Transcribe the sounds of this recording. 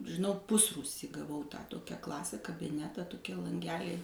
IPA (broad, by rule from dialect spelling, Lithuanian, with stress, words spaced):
ʒʲɪˈnɐʊ ˈpʊsruːsʲiː ɡɐˈʋɐʊ tɑː ˈtoːkʲæː ˈklˠɑːsʲæː kɐbʲɪˈnʲæːtɑː toːˈkʲiɛ lˠɐŋʲˈɡʲæːlʲɛɪ